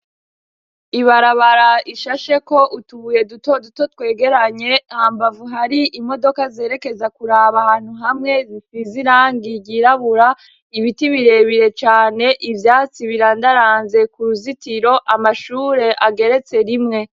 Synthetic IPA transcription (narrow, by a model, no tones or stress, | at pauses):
iβaɾaβaɾaiʃaʃe̞ko̞ʔutuβuje̞duto̞duto̞twe̞ːɡe̞ɾaɲe̞haːmbavuɦaɾiʔimo̞do̞kaze̞ːɾe̞ke̞zakuɾaβahaːn̥huɦamŋe̞zisiziɾaːŋɡiɟiɾaβuɾa | iβitiβiɾe̞βiɾe̞t͡ʃaːne̞ʔivjaːt͡siβiɾandaɾaːnze̞kuɾuzitiɾo̞ʔamaʃuːɾe̞ʔaɡe̞ɾe̞t͡se̞ɾimŋe̞